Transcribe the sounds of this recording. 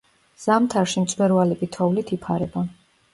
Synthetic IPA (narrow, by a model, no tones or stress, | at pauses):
z̥amt̪ʰaɾʃimt̪sʼwɛɾvalipʼit̪ʰɔulit̪ʰipʰaɾɛba